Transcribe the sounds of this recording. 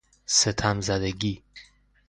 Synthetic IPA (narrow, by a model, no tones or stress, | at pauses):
set̪ʰamzæd̪eɡi